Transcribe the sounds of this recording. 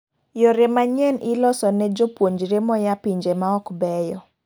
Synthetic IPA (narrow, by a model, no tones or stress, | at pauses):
jɔɾemaɲɛnʔilɔsɔnɛd͡ʒopwoɲd͡ʒɾemɔjapiɲd͡ʒemaɔkbɛjɔ